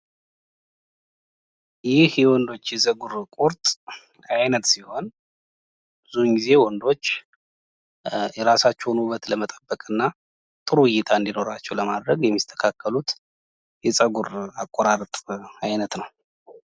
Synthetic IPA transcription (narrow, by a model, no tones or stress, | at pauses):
jɪhjɛwɔnd̪o̞t͡ʃːjɛzʼəɡuɾkʷʼuɾt̪ʼ | ajnət̪siho̞n | bɨzuŋɡize̞wɔnd̪o̞t͡ʃː | jɛɾasat͡ʃːonubːət̪ləmət̪ʼəbːəkʼɨnːa | t̪ʼɨɾujːɪt̪ʰaɨnd̪ino̞ɾat͡ʃːɛwləmad̪ɾəɡjɛmːist̪ʰə̥kʰakʰːəlut̪ | jɛsʼəɡuɾakʼːoɾaɾt̪ʼajnət̪nəw